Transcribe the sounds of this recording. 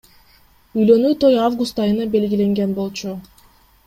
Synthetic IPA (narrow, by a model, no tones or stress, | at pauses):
yjlø̞nyːt̪o̞javɡust̪ɑjɯnɑbe̞lɡʲile̞ŋɡe̞nbo̞lˠt͡ʃu